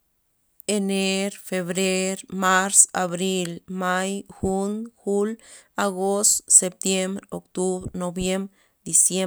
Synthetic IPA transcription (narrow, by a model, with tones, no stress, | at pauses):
ene˦ɾfe˨βɾe˦ɾma˦ɾsaβɾi˦lma˦jxu˦nxu˦la˧ɣo˦st̪se˧p̚t̪je˦mbɾo˨kt̪u˦bɾno˨bje˦mɾ | d̪i˨sje